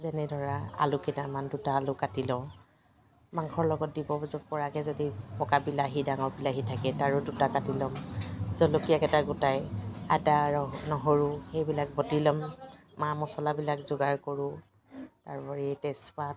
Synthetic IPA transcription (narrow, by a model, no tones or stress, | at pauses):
zɛnɛdʱɔɹaa̰lʊkɛtamandutaːlʊkatilɔ̃ | maŋkʰɔɹlɔɡɔt̚dibɔzɔpɔɹakɛzodipɔkabilaɦidaŋɔɹbilaɦitʰakɛtaɹʊdutakatilɔmzɔlokijakɛtaɡʊtajatanɔɦoɹʊxejbilak̚bɔtilɔmː | amɔsɔlabilakzʊɡaɹkoɹʊ̃ | taɹpɔɹitɛspa